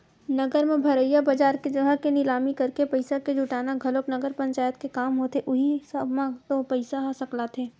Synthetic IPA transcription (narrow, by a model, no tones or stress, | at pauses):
nɐɡəɾmẽbʱɐɾəjabad͡ʒaːɾked͡ʒɐɡəkenɪlaːmikɐɾkepɐɪsaked͡ʒʱʊʈaːnaɡʱɐloknɐɡəɾpɐ̃ɲt͡ʃaːjət̪kekaːmɦoːt̪eʔʊɦisɐbmãt̪opɐɪsaɦosɐklat̪ʰeː